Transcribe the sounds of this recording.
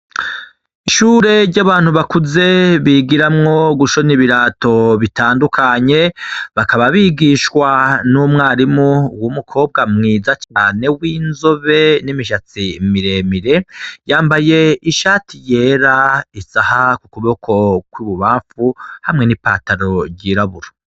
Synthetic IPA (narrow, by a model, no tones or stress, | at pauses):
iʃuɾe̞ɾɟaβaːn̥huβakuze̞βiɡiɾamŋo̞ɡuʃo̞niβiɾato̞βitaːndukʰaɲe̞βakaβaβiɡiʃkwanumŋaːɾimuwumukʰo̞ːb̚ɡamŋiːzat͡ʃaːnewiːnzo̞βe̞nimiʃat͡simiɾe̞miɾe̞jaːmbaje̞iʃaːtʰije̞ːɾaisahakukuβo̞kʰo̞kwiːβuβaːɱfuhamŋe̞nipa̰ːtaɾo̞ɟiːɾaβuɾo